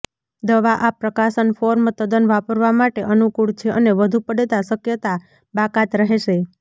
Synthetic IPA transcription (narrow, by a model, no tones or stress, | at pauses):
d̪əʋaʔapɾəkaʃənfoɾmt̪əd̪ənʋapəɾʋamaʈeʔənukuɭt͡ʃʰeʔəneʋəd̪ʱupəɽet̪asəkjət̪a | bakat̪ɾəɦeʃe